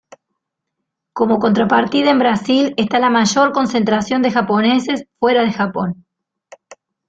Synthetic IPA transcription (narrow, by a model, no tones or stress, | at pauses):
ko̞mo̞ko̞nt̪ɾapaɾt̪iðaembɾasile̞st̪alamaʒo̞ɾko̞nse̞nt̪ɾasjo̞nd̪e̞xapo̞nese̞sfwe̞ɾaðe̞xapo̞̰n